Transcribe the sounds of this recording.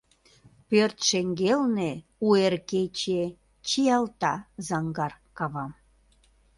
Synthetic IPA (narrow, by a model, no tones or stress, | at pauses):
pørt̪ʃeŋɡelne | uerket͡ɕe | t͡ɕijɑlt̪ɑzɑŋɡɑrkɑβɑm